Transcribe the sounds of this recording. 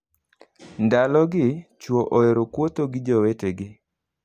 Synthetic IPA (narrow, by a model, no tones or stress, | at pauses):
ndalɔɡɪt͡ʃwoʔoeɾokwot̪oɡɪd͡ʒoweteɡɪ